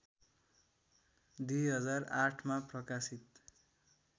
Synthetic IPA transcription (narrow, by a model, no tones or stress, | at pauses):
d̪ujɦʌd͡zaraʈʰmaprʌkasit̪